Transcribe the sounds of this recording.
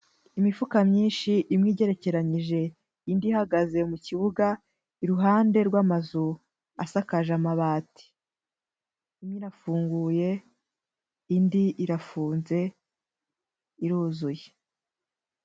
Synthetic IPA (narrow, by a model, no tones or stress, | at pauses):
imifukamɲiːnʃiʔimŋiːɟe̞ɾe̞ce̞ɾaɲiʒe̞ | indihaɡaze̞muciβuɡa | iɾuɦaːnde̞ɾɡwamazu | a̰sakaʒamaβaːti̥ | imɲiɾafuːŋɡuːje̞ | indiiɾafuːnze̞ | iɾuːzuje